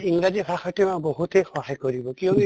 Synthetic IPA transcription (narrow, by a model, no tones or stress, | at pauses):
iŋɡɾad͡ʒipʰakʰɔʈimabɔɦut̪ejxɔɦajkɔɾibɔkijɔ̃ŋki